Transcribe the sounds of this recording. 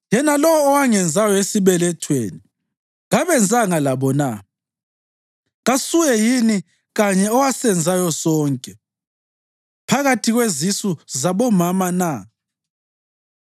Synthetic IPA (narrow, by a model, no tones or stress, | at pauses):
jɛnalɔwɔːwaŋɛnd͡zʱajɔesiβɛlɛtʰwḛːni | ɣaβɛnd͡zʱaŋalaβɔna̰ | ɣasuɣjɛjini | ɣaɲɛɔwasɛnd͡zʱajɔsɔːŋkʼɛ | pʰaɣatʰiɣwezisuzaβɔmamana